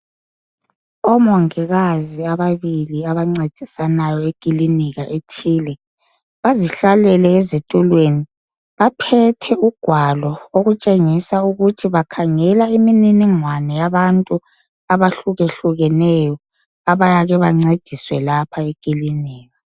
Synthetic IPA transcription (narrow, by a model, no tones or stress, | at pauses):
ɔmɔŋɛɣaziaβaβiliaβaŋ͡ǀed̥ʱisanajɔeɡ̥ʱʼiliniɣaʔetʰiːlɛ | βaziɬalɛlɛezetʼulweni | βapʰɛtʰɛuɡ̥ʱwalɔoɣut͡ʃʼeŋisauɣutʰiβakʰaŋɛlaimininiŋwanɛjaβantʼu | aβaɬuɣeɬuɣɛnɛjɔ | aβajaɣɛβaŋ͡ǀed̥ʱiswɛlapʰaeɡ̥ʱʼiliniːɣa